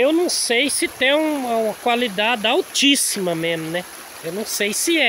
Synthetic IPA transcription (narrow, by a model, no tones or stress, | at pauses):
ewnɐ̃w̃sejsɪt̪ẽj̃ũɐũmɐkwalid̪ad͡ʒ̪ɪawt͡ʃisimɐmẽzmʊnɛ | ewnɐ̃w̃sejsɪɛ